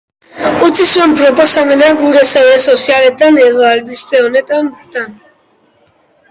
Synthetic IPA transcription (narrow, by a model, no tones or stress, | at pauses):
ut͡sʰisuempɾoposamenaɡuɾesawesosialet̪aneðoalbist̪eonet̪ambt̪an